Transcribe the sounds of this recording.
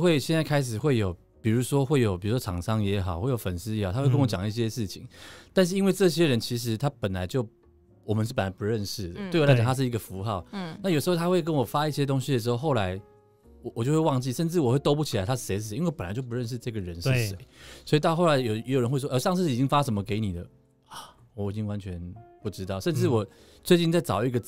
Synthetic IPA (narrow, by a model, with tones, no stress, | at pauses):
xwe˥˩ɪɕjɛ˥˧nt͡sa˥˩ɪkʰa˥ɪʂ̬ɻ̩˨˩xwe˥˩ɪjo˨˩ʊ | pi˨˩ɻu˧˥ʂwɔ˥xwe˥˩ɪjo˨˩ʊpi˨˩ɻu˧˥ʂwɔ˥ʈ͡ʂʰɑ˨˩˦ŋʂɑ˥ŋjɛ˧˥xɑ̰˨˩ʊxwe˥˩jo˨˩ʊfə˨˩nsɹ̩˥jhɑ˨˩a˥kə˥nwɔ˧t͡ɕjɑ˨˩ŋi˥˩ɕ̬jɛ˦ʂɻ̩˥˩t͡ɕʰḭ˨˦ŋt̪a˥˧n̬ɻ̩˥˩i˥nwe˥˧ɪʈ͡ʂɤ˥˧ɕjɛ˥ɻə˧˦nt͡ɕʰi˧˥ʂ̬ɻ̩˧˥t̪ʰa˥pə˨˩nla˧˦ɪt͡ɕjo˥˩ʊ | wɔ˨˩mə˦ʂ̬̩˥˩pə˨˩nla˧ɪpu˧˦ɻə˥˧nʂɻ̩˥˩d̪ə˩t̪wla˧ɪt͡ɕɑ˨˩t̪ʰʂɻ̩˥˩i˧˥ɡə˨fu˧˥xɑ˥˩ʊn˥˩jʂɻ̩˧xo˥˩t̪ʰa˥xwe˥˩kə˦˥nwɔ˨˩fa˥i˥˩ɕjɛ˦˥t̪o˥ŋɕi˧d̪ə˩ʂ̬̩˧xo˥˧ʊxo˥˩ʊla˧˦ɪ | wɔ˨˩wɔ˨˩t͡ɕjo˥˧xwe˥˧wɑ˥˧ŋt͡ɕi˥˨˩ʂə˥˧nʈ͡ʂɻ̩˥˩wɔ˨˩xwe˥˩ɪt̪o˥ʊp̬u˥˩t͡ɕʰi˨˩la˧ɪa˥ʂ̩˥˩ʂe˧˥ɪʂɻ̩˥˩˧e˧˦i˥we˥˧˩pə˨nlɪt͡ɕo˥˩ʊp̬u˧˥ɻə˥˧nʂɻ̩˥˧ʈ͡ʂɤ˥˩ɡə˩ɻə˧˦nʂ̩˥˩ʂḛ˨˦ɪswɔ˧˥i˨t̪ɑ˥˧ʊxo˥˩la˨˧ɪjo˨jjɻə˧nxwe˥˧ɪwɔ˥ʔə˥˧˩ʂɑ˥˧ŋʂ̬ɻ̩˥˧˥i˨˩t͡ɕi˦˥ŋfa˥ʂə˧˥mə˧ke˧˥ɪni˨˩d̪ə˦ | a˨˩ | wɔ˨˩i˨˩t͡ɕi˦ŋwa˧˦nt͡ɕʰɥɛ˧˦npu˥˩ʈ͡ʂɻ̩˥t̪ɑ˥˩ʊʂə˥˧nʈ͡ʂɻ̩˥˩wɔ˨˩ | t͡swe˥˧t͡ɕi˥˧nt͡sa˥˩ɪt͡sɑ̰˨˩ʊi˥˧ɡə˨